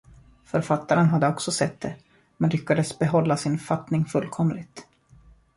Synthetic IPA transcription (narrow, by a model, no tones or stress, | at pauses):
fœɾfat̪ːaɾənɦad̪ːəɔksɔsɛt̪̚ːd̪ɛ | mɛnlʏkːad̪əsbɛɦɔlːasɪnfat̪nɪŋfɵlːkʰɔmlɪt̪